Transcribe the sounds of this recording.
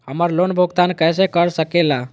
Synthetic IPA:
həməɾlonbʱoɡt̪ankəjs̬ekəɾsəkela

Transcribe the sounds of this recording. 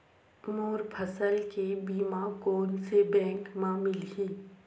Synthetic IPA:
moːɾpʰəsəlkebiːmãkoːnsebɛ̃ːŋkmãmɪlɦiː

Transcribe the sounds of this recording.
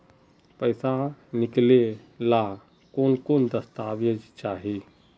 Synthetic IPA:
pəɪsanɪkle | la | koːnkoːnd̪əst̪aːʋəd͡ʒt͡ʃaːɦi

